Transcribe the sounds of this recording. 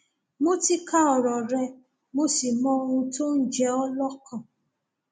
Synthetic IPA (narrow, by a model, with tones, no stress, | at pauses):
mo˦ti˦ka˦ɔ˨ɾɔ˨ɾɛ˧ | mo˦si˨mɔ̃˧˦o˧hũ˧to˦n̩˦d͡ʒɛ˧ɔ˦lɔ˦kɔ̃˨